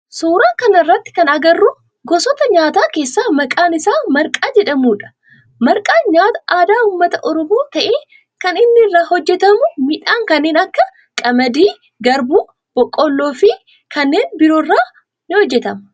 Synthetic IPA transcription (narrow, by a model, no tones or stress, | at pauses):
suːɾaːkɐnɐrːɐt̪ːɪ̥kɐnɐɡɐrːʊ | ɡɔsɔt̪ɐɲaːt̪aːke̞ːsːaːmɐkʼaːnɪsaːmɐɾkʼaːd͡ʒɛᶑɐmuːᶑɐ̥ | mɐɾkʼaːɲaːt̪ɐʔaːd̪aːuːmːɐt̪ɐʔɔɾɔmoːt̪ɐʔeː | kɐnɪnːɪrːaːhɔd͡ʒːɛt̪ɐmʊmɪᶑaːŋkɐnːeːnɐkːɐ | kʼɐmɐd̪iː | ɡɐɾbuː | b̥ɔkʼːɔlːoːfɪ | kɐnːe̞ːnbɪɾoːrːaː | nɪhɔd͡ʒːɛt̪ɐm